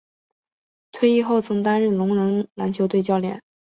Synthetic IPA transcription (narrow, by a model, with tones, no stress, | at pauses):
t̪ʰwe˥˧ɪi˥˧xo˥˩ʊt͡sʰɤ˧˥ŋt̪a˥nɻə˥˩nlʊ˧˥ŋɻə˧˥ŋla˧˥nt͡ɕʰjo˧˥ʊt̪we˥˧ɪt͡ɕjɑ˥˧ʊljɛ̰˥˩˦n